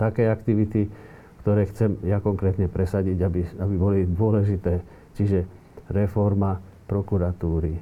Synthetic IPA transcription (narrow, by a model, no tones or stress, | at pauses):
t̪akɛːakt̪iʋit̪i | kt̪ɔɾɛːxt͡sɛmjakɔŋkɾɛːt̪ɲɛpɾɛsaɟiɟabiabibɔlid̪ʊɔlɛʒit̪ɛː | t͡ʃiʒɛ | ɾɛfɔɾma | pɾɔkuɾat̪uːɾi